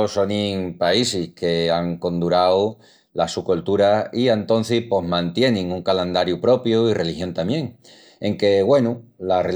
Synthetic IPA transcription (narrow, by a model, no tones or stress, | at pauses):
oso̞niŋpaisihke̞aŋko̞nd̪uɾaw | lasukult̪uɾaiant̪o̞n̟θihpo̞ɦmãnt̪je̞nĩŋuŋkalend̪aɾjupɾo̞pjuire̞lixjo̞nt̪amjẽ̞ŋ | e̞ŋke̞ɣwe̞nulare